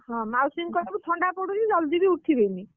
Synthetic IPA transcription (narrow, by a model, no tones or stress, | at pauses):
ɦɔ̃mawsiŋkɔɾebut̪ʰɔɳɖapoɽukid͡ʒɔld̪ibiuʈʰibeni